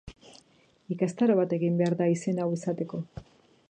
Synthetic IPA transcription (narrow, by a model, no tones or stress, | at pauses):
ikast̪aɾoβ̞at̪e̞ɣimbe̞aɾðaisenawisat̪e̞ko̞